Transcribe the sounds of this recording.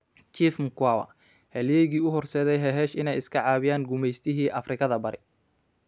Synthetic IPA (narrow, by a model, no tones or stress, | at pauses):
t͡ʃiːfmkwawɐ̰ | hɛljɛjɣiːʊɦɔrsɛːðɛjɦɛɦɛːʃɪnɛjɪskʰɐʕɑːβɪjaːŋɡʊmɛjst̪ʰɪɦiːʔɐfrɪkʰɐðɐbɐɾɪ